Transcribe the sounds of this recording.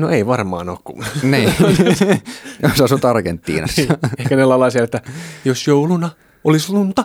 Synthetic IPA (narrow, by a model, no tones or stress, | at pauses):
noeiʋɑrmɑ̰ːno̰ːkkṵniː | josɑsut̪ɑrkent̪ːḭːnɑ̰sehkænelɑlɑˑisiɑlet̪ːæjosjoulunɑ | ʔolislunt̪ɑ